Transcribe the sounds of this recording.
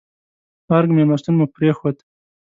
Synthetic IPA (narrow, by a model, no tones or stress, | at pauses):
aɾɡmemast̪unmupɾexod̪